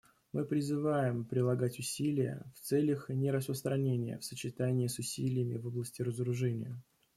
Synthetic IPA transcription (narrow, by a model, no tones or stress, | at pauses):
mɨpɾʲɪzɨvajɪmpɾʲɪlˠɐɡatʲʊsʲilʲɪjə̰ft̪sɛlʲəxnʲɪɾəspɾəst̪ɾɐnʲenʲɪjə̰fsət͡ɕɪt̪anʲɪːsʊsʲilʲɪjəmʲɪvoblˠəsʲtʲɪɾəzəɾʊʐɛnʲɪ̰jə